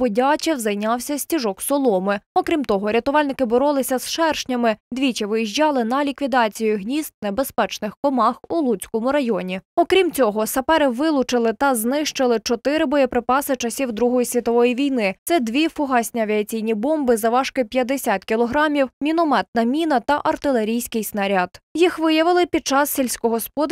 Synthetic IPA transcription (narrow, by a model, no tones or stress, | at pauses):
bɔdʲɑt͡ʃʲɛwzɐjnʲɑwsʲɐsʲtʲiʒɔksɔlˠɔmɪɔkɾʲimt̪ɔɦɔɾʲɐt̪ʊʋɑlʲnɪkɪbɔɾɔlˠɪsʲɐsʃɛrʃnʲɐmɪd̪ʲʋʲit͡ʃiʋɪjiʒʲd͡ʒɑlˠɪnɐlʲikʋʲid̪ɑt͡sʲijʊɦnʲizt̪̚nebespɛt͡ʃnɪxkɔmɑxulˠut͡sʲkɔmʊɾɐjɔnʲiɔkɾʲimt͡sʲɔɦɔsɐpɛɾɪʋɪlˠʊt͡ʃɪlˠɪt̪ɐznɪʃt͡ʃɪlˠɪt͡ʃɔt̪ɪɾɪbɔjɛpɾɪpɑsɪt͡ʃɐsʲiwd̪ɾuɦɔjisʲʋʲit̪ɔʋɔjiʋʲijnɪt̪sɛd̪ʋʲifʊɦɑsʲnʲiɐʋʲiɐt͡sʲijnʲibɔmbɪzɐʋɑʃkɪpʲjɐd̪esʲat̪kʲilˠɔɦɾɑmʲiwmʲinɔmɛt̪̚nɐmʲinɐt̪ɐʔɐrt̪ɪlˠeɾʲijsʲkɪjsnɐɾʲad̪jixʋɪjɐʋɪlˠɪpʲid̪̚t͡ʃɑssʲelʲsʲkɔɦɔspɔd̪